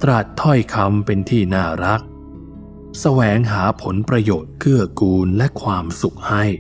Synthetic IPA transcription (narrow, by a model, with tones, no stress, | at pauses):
t̪ɾa˨˩t̪ʰːɔ˥˩jkʰa˧mpe˧nt̪ʰiː˥˩naː˥˩ɾa˦˥k̚ | sa˧wɛː˩˦ŋɦaː˩˦pʰo˩˦npɾa˧joː˨˩t̪̚kʰɯ˥˩ɐkuː˧nlɛ˦˥kʰwaː˧msu˨˩k̚ha˥˩j